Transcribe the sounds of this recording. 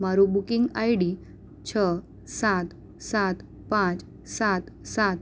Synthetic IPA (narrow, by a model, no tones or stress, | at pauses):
maɾubukiŋɡajɽi | t͡ɕʰə | sat̪ | sat̪ | pãt͡s | sat̪sat̪̚